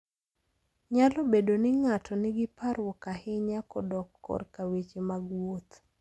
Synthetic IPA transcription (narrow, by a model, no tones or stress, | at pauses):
ɲalɔbedonɪŋatʰɔnɪɡɪpaɾwɔkahɪɲakɔdɔkːɔ̰rkawet͡ʃemaɡwot̪